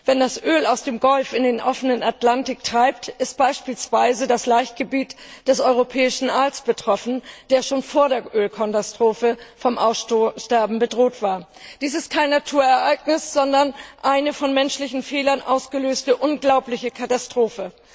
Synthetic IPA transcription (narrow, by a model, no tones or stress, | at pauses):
v̥ɛndasʔøːlaʊsd̥eːmɡɔlfɪndeːnʔɔfənənatlantɪk̚tʁ̥aɪp̚tɪst̚b̥aɪʃpiːlsv̥aɪzədaslaɪçtɡ̥əbiːtd̥ɛsɔʏʁopʰɛːɪʃn̩ʔaːlsb̥ətʁ̥ɔfn̩d̥eːɐʃoːnfoːɐɾeːɐʔøːlkʰɔntastʁ̥oːfəfɔmʔaʊsʃtɛɐbm̩bədʁoːtv̥aːɐ | d̥iːsɪst̚kʰaɪnːatʰuːɐɛɐʔaɪɡnɪsz̥ɔndɐnʔaɪnəfɔnmɛnʃlɪçn̩fɛːlɐnʔa̰ʊsɡ̥əløːstəʔʊnɡlaʊplɪçəkʰatastʁ̥oːfə